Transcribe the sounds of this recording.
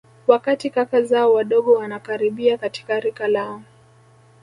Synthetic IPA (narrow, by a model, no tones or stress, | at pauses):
wakatikakazaɔwaɗɔɠɔwanakaɾiɓiakati̥kaɾikalaɔ